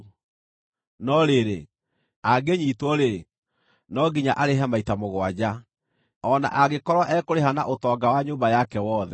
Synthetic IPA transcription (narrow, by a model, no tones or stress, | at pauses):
nɔɾeɾe | aɡeɲiːtwɔɾe | nɔɡiɲaʔaɾeɦamaitamoɣwad͡ʑa | ɔna̰ʔaɣekɔɾwɔʔɛːkoɾeɦana̰ʔotɔːɡawaɲoːmbajakɛwɔːðɛ